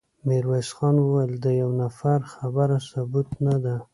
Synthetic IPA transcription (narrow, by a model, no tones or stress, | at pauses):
meɾwajsxɑnwəwajəld̪əjawnafaɾxabaɾasʊbut̪nad̪a